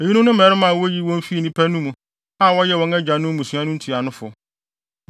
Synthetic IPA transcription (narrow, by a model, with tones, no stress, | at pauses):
e˨ji˦nũ˦nʊ̃˦m˦˨ɛ˨ɾɪ˦mã˨wo˦ji˦wɔ̃˦n˦fi˦˨nĩ˦pʰæ˦nũ˦mũ˨ | a˦˨wɔ˦jɛ˦˨wɔ̃˦nɛ˦d͡ʑa˨nʊ̃˦m˦mũ˨su˦ã˦nʊ̃˦n̩˦tʰi˨a˨nʊ̃˦fʊ˨